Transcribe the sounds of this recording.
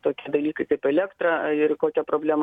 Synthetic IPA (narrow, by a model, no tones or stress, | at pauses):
t̪oːkʲiɛd̪ɐlʲiːkɐɪkɐɪpɛlʲɛkt̪ɾɐɪrkoːkʲɛpɾoːbʲlʲæːm